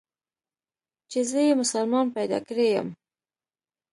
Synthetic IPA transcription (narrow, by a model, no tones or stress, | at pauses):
t͡ʃezəjemʊsalmɑnpajd̪ɑ̰kɽejə̰m